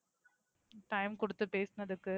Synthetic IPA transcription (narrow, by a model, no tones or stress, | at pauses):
ʈɐɪmkʊɽɯt̪ːɯpeːsnɐðɯkːɯ